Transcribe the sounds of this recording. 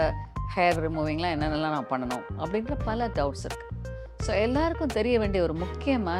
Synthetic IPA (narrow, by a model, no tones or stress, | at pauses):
hɐɾɾmuːʋɪŋɡɐlãːɛnːɐnɐlːãːnãːpɐɳːɐnõ̰ːɐpːɐɽɪnɾɐpɐlɐɖɐʊʈsɪ̰ɾɯkːɯ̥ | soːɛlːaːɾɯkːʊ̃t̪ɛɾɪjɐʋeːɳɖijɐɔɾɯmʊkːɪjɐmaː